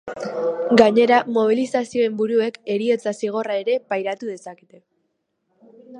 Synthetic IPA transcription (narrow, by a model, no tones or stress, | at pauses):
ɡaɲe̞ɾamo̞β̞ilisasio̞e̞mbuɾue̞ke̞ɾie̞t͡sasiɣ̞o̞rae̞ɾe̞pajɾat̪uðe̞saket̪e̞